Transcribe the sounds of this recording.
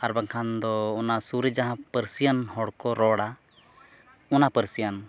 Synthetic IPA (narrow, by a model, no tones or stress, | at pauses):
aɾbaŋkʰand̪ɔːnasuɾəd͡ʒaɦãpəɾsijanhɔɽkɔɾɔɽa | ɔnapəɾsijan